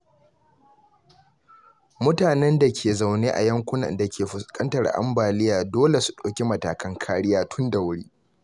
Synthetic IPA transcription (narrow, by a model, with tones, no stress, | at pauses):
mʊ˦taː˨nɛ˦nda˨kʲʰeː˨za˨wneː˦ʔa̰˨jɐ˦ŋkʷʊ˦nɐ̰˨nda˨kʲeː˨ɸʊ˨skʼɐ˦ntɐ˨ɽʔa̰˦mbaː˨lɪ˦jaː˨doː˦le˨su̥˨ɗoː˨kʲi˦mɐ˨taː˨kʰɐ˦ŋkʰaː˦ɽɪ˦jaː˦tʰʊ˦nda˨wʊ˦ɽiː˦